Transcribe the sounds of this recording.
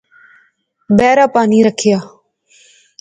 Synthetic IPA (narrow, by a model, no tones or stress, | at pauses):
bɛːɾaːpaːniːɾəkʰɪjaː